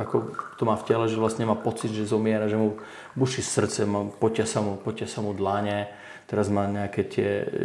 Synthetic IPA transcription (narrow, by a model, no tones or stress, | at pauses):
akɔt̪ɔmaːfcɛlɛʒɛʋlasɲɛmaːpɔt͡sid̪ʒɛzɔmɪɛɾaʒɛmu | buʃisr̩t͡sɛmapɔcasamupɔcɪasamud̪laɲɛ | t̪ɛɾazmaːɲɛakɛt̪ɪɛ̰